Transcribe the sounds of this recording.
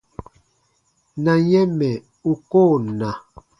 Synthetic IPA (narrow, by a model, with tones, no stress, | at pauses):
na˨jɛ˦mɛ˨ | u˨koː˦˨na˨